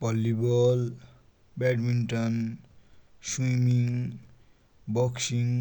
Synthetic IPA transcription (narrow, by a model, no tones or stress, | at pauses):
pʌlːibɔl | bɛɖminʈʌn | swimiŋ | bʌksiŋ